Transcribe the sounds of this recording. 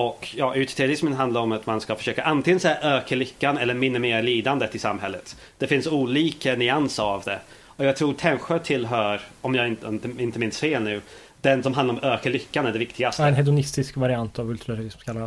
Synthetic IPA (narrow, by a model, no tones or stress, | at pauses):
ɔkjɑːʔʉ̟ːt̪ɪ̥t̪ʰɛɾʊɾɪsmənɦand̪aɾɔmat̪manskafœ̥ʂøːkaʔant̪ʰɪŋənsɛjːaʔøːkəɭʏkːanɛlːəɾmɪnːəmeːɾliːd̪and̪ət̪ːɪlsamɦɛlːət̪ | d̪̥ɛfɪnsuːliːkənʏansəavd̪ɛ | ɔjɑːɡ̚t̪ʰɾuːt̪ʰɛnɧət̪ʰɪlːɦœːɾɔmjɑːɪnnt̪əɪnt̪əmɪnst̪feːlnʉ̟ː | d̪̥ɛnsɔmɦand̪aɾɔmøːkəɭʏkːanæɖɛvɪkt̪ʰɪɡast̪ɛnhɛd̪ʊnɪst̪ɪskvaɾɪant̪avɵlt̪ʰʉɾaɾɾɪsmkʰalːa